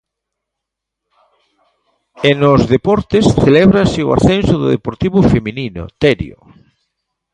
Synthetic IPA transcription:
enozðepɔɾt̪esθeleβɾaseo̰a̰ɾθensoðʊ̰ðepoɾt̪iβʊfemininʊ̰t̪eɾjo̰

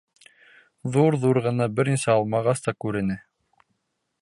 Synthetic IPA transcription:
ðuɾðuɾʁɤ̆nɑbɘɾnisæɑlˠmɑʁɑst̪ɑkʉɾɘ̆nɘ

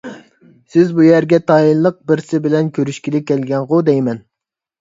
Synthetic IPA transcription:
sɪzbujæɾɡʲɛt̪ʰɑjillːˠəq̚bɪɾsɪbɪlɛnkʲʰøɾyʃkʲilɪkʲːɛlɡʲɛŋʁʊd̪ɛjmɛn

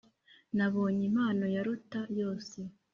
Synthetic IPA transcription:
naβo̞ːɲim̥aːno̞jaɾutajo̞ːse̞

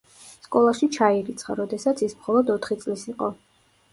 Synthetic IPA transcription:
skʼɔlˠaʃit͡ʃʰaiɾit̪sʰχaɾɔd̪ɛsat̪sʰismχɔlˠɔd̪ɔt̪ʰχit̪sʼlisiqʼɔ

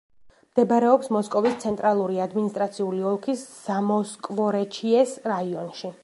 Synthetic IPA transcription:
md̪̥ɛbaɾɛɔpsmɔskʼɔvist̪sʰɛnt̪ʼɾalˠuɾiad̪minist̪ʼɾat̪sʰiuliɔlˠkʰisz̥amɔskʼvɔɾɛt͡ʃʰiɛsɾaiɔnʃi

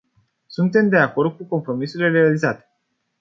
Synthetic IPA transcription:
sunt̪e̞md̪e̞ako̞rd̪̚kuko̞mpɾo̞misuileɾe̞alizat̪e̞̥

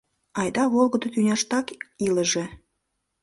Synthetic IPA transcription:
ɑjd̪ɑβolˠɣə̆d̪ŏt̪ynʲɑʃt̪ɑkiləʒe

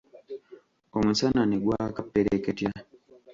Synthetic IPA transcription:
omusananiɡwakapːeɾeketja

